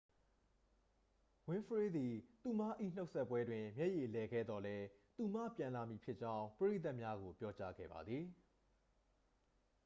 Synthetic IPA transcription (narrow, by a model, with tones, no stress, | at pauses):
wɪ̃˦fʰəɹe˦d̪i˨t̪u˨ma˦˨ʔḭ˦˨n̥o˦ʊʔsɛ˦pːwɛ˦dwɪ̃˨mjɛ˦ʔje˨lɛ˨ɡɛ̰˦˨d̪ɔ˨lɛ˦t̪u˨mä̰˦˨pjã˨nla˨mji˨pʰɪ˦ʔt͡ɕã˦ʊ̃pəɹe˦˨t̪a˦ʔmja˦ɡo˨pjɔ˦t͡ɕa̰˦ɡɛ̰˦˨ba̰˨d̪ði˨